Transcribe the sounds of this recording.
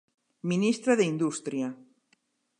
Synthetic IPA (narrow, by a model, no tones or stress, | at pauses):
minist̪ɾaðeind̪ust̪ɾja